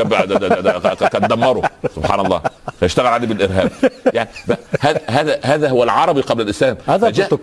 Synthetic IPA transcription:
æb̪ | kænd̪æmːɑɾosobħaːnɑlˤːɑ̰ːfæjɪʃt̪æɣælʕaleːbelʔɪɾɦæːb̚jaʕnibæhæːðɦæːðæɦæːðæɦowælʕɑɾˤɑbiqɑblælʔɪslæːmhd͡ʒæː

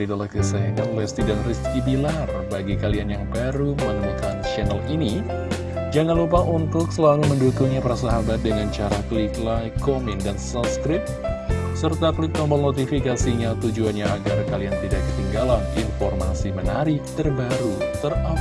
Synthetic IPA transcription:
idalakəsananlɛst̪idanriskibilar | baɡikalianjaŋbaɾumənəmukant͡ʃɛnɛlini | d͡ʒaŋanlup̬aʔunt̪ʊk̚səlaluməndukuŋɲapaɾasaɦabat̪̚dəŋant͡ʃaɾakəliklajkomɛndansaskɾɪp̚sərt̪aklɪk̚t̪ɔmbɔlnot̪ifikasiɲat̪ud͡ʒuanɲaːɡarkaliant̪idak̚ɡət̪iŋɡalaninfɔrma̰simənaɾit̪ərbaɾut̪əra

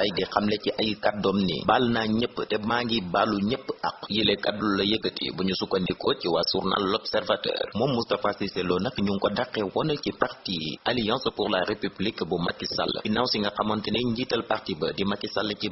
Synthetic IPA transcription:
ajdiqamlɛciʔajikadɔmnḭbalnaɲəpːtɛmaŋɡibaluɲəpːɐ̰kjilɛkadulːɐjəɡətḭbuɲusukːɐndikɔciwasṵrna̰lːɔpsɛrvatɛ̰rmɔːmːustafasisɛlɔnɐkːɲuŋkɔdaqːɛwɔnɐcipartialijãnsəpuɾlaɾepyblikbuma̰kːisa̰l̰ːinawsiŋɡɐqɐmɐntinɛɲɡitɐlpartibədimakːisalːəci

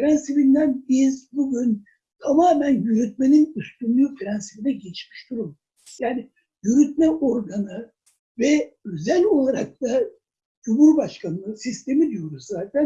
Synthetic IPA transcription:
fɾænsibind̪ænbizbuɟyn | t̪ʰamaːmænjyɾyt̪̚me̞ninyst̪ynlˠuːfɾænsibid̪ɛɟet͡ʃmi̥ʃd̪uɾum | jaːni | jyɾyt̪̚mɛʔo̞ɾɡanɯ | vɛøzælʲo̞lˠaɾak̚t̪a | d͡ʒumuɾbaʃkʰanɯnɯsist̪ʰe̞mid̪ijo̞ɾuzzaːt̪ʰæn

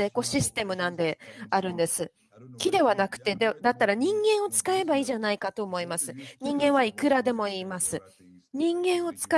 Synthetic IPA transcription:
eːko̞ɕisɨ̥t̪e̞mɯ̟nãnd̪e̞aɾɯ̟̃nd̪e̞sɨ | kʲid̪e̞βanakɯ̟̥t̪e̞d̪ed̪at̪ːaɾaɲ̟ĩŋɡẽ̞ɰ̃o̞t͡sɨ̥kae̞baiːʑanaikat̪o̞ːmo̞imasɨɲ̟ĩŋɡẽ̞ɰ̃βaikɯ̟ɾad̪e̞mo̞iːmasɨ | ɲ̟ĩŋɡẽ̞ɰ̃o̞t͡sɨ̥ka

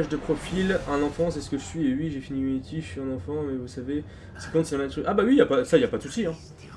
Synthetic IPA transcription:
ʒd̪əpχɔfilɛ̃nɑ̃fɑ̃sɛsə̥kəʒəsɥiewiʒefinimet̪ʰiʒsiɛ̃nɑ̃fɑ̃mɛvusave | sɛ̥kɔ̃t̪ijãnad̪ət̪χykabawijapasailjapad̪əsusiɛ̃

